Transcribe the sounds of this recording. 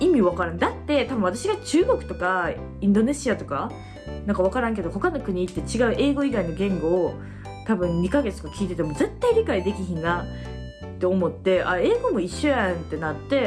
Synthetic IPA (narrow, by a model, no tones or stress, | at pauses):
imʲiβ̞akaɾɯ̃nd̪at̪ːe̞t̪abɯ̟ɰ̃at̪aɕiɡat͡ɕɨːɡo̞kɯ̟̥t̪o̞ka | ĩnd̪o̞ne̞ɕiat̪o̞ka | nãŋkaβ̞akaɾãŋk̬e̞d̪oho̞kano̞kɯ̟ɲ̟iːt̪ːe̞t͡ɕiɡaɯ̟ʔe̞ːɡo̞iɡaino̞ɡẽ̞ŋɡo̞ː | t̪abɯ̟̃nɲikaɡe̞t͡sɨt̪okakʲiːt̪e̞t̪̬e̞mo̞d͡ze̞t̪ːaiɾʲikaid̪e̞kʲiçina | t̪ːe̞omo̞t̪ːe̞ʔa̰e̞ːɡo̞mo̞iɕːojãnt̪e̞nat̪ːe̞